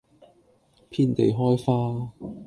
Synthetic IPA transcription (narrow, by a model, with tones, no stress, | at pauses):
pʰiː˥nt̪e˨jɦɔː˥jfaː˥